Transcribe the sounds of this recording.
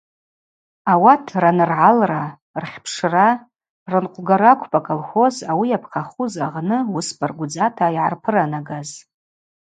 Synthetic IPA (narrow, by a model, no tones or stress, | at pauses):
awatʰranɨrʕalra | rχʲpʰʂra | rɨnqʷʼɡaɾakʷʰpʼakʼolχʷo̞zawiapʰqʰaχuzaʁnɨwʊsbʰʼarɡʷʊd͡zatʰaiʕa̰rpʰɨranaɡaz